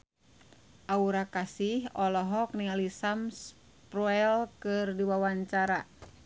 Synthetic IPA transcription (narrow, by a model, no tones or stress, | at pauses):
ʔauɾakasihɔlɔɦɔk̚niŋalisams | pɾɔɛlkɨrdiwawaɲt͡ʃaɾa